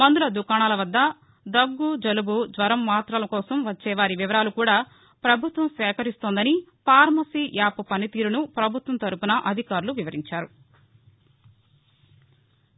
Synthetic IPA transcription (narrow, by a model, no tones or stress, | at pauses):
mɐnd̪ulɐd̪ukaːɳaːlɐʋɐd̪ːɐ | d̪ɐɡːud͡ʒɐlubud̪ʋɐɾɐmːaːt̪ɾɐlɐkɔːsɐmʋɐt͡ʃːɛːʋaːɾiʋiʋɐɾaːlukuːɽaː | pɾɐbʱut̪ʋɐmsʋɛːkɐɾist̪oːnd̪ɐnipaːɾmɐsijaːpupɐnit̪iːɾunupɾɐbʱut̪ʋɐnt̪ɐɾupunɐʔɐd̪ʱikaːɾuluʋiʋɐɾiɲt͡ʃaːɾu